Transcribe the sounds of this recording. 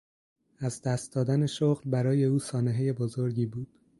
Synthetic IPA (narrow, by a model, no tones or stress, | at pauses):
æzd̪æːst̪̚d̪ɒːd̪æne̞ʃoɣlbæɾɒːje̞uːsɒːneɦeje̞bozo̞ɾɟiːbuːd̪̥